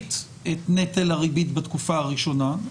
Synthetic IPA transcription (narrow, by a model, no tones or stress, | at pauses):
t̪ | etnetelaʁibitbatkufaaʁiʃo̞na